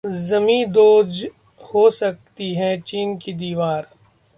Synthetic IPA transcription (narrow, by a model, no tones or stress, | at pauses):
zɐmĩd̪oːd͡ʒ | hosɐk̚t̪iɦɛt͡ʃiːnkid̪iːʋaːɾ